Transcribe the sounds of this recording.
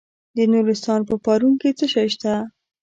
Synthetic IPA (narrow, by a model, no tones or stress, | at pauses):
d̪ənuɾɪst̪ɑnpəpɑɾuŋket͡səʃajʃt̪a